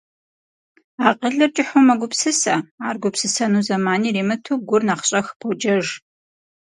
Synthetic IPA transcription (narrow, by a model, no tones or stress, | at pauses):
aːqəɮɨrt͡ʃʼɪħʊmɐɡʷʊpsɨsɐaːrɡʷʊpsɨsɐnuːzɐmaːniːriːmɨtʰuːɡʷʊrnaːχɕʼɐxpʰod͡ʒʼɐʒ